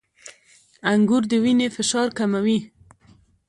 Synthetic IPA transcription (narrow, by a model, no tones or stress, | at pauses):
aŋɡuɾd̪əwinefɪʃɑɾkamawi